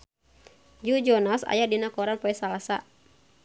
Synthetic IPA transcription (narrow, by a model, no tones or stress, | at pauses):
d͡ʒud͡ʒɔnasa̰jadinakɔɾanpɔɛsalasa̰